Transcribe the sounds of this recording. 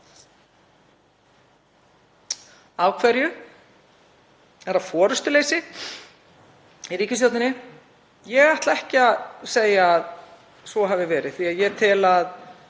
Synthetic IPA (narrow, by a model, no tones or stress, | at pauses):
aːwkʰvɛɾjʏ | ɛɾaðfɔːɾʏst̪ʏleːjsɪ | iɾiːcʏstjowt̪ɪnɪ | jɛɣajht̪laɛhcɪaðseːjaːð | svɔɦavɪvɛːɾɪðθiaðjɛt̪ʰɪlað